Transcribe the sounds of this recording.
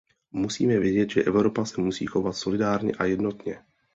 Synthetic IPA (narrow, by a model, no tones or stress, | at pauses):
musiːmɛvjɛɟɛd̪ʒɛʔɛʊɾopasɛmusḭːxovat̪solɪdaːɾɲɛ̰ʔajɛd̪not̪ɲɛ